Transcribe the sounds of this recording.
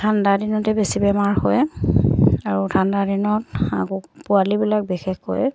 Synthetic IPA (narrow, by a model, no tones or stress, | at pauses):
tʰandadinɔtɛbesibɛmaɹxɔj | aɹutʰandadinɔta̰kɔpʊalibilak̚bixɛxkɔ̰j